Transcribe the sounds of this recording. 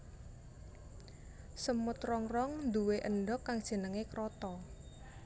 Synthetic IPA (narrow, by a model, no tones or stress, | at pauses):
səmʊt̪rɔŋrɔŋnd̪uweʔənɖɔkːaŋd̥ʒ̥ə̤nəŋekɾɔt̪ɔ